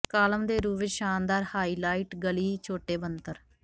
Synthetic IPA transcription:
kaːləmd̪eːɾuːʋeʃaːnd̪aːɾhaːiːlaːiːʈɡəliːt͡ʃʰoːʈeːbənt̪əɾ

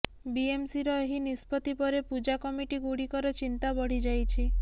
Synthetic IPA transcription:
biemsiɾɔeɦinispɔt̪ipɔɾepud͡ʒakɔmiʈiɡuɽikɔɾɔt͡ʃint̪abɔɽ̤id͡ʒajt͡ʃʰi

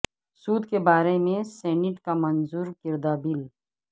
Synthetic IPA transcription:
suːd̪kebaːɾemẽsɛːnɪʈkamɐnzuːɾkɪɾd̪abɪl

